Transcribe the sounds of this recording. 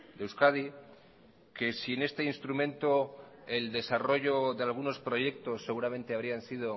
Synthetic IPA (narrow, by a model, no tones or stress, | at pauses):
d̪ewskaði | ke̞siene̞st̪e̞inst̪ɾumẽ̞nt̪o | e̞ld̪e̞saro̞ʝo̞ðealɣuno̞spɾo̞ʝe̞k̚t̪o̞sːe̞ɣuɾamẽ̞nt̪e̞aβɾiansið̞o̞